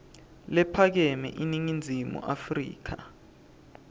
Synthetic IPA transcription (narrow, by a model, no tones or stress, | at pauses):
lɛpʰak̬ɛmɛ̰ʔiniŋind͡zʱimṵʔafrḭːk̬ʰa